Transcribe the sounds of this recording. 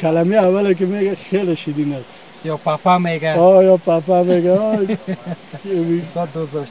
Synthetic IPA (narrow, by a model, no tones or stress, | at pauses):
kalamiawalek̬emeɡaxeleʃid̪inas | jɔpapameɡaɔjɔpapameɡaɔ | misɔd̪ozd̪ɔʃ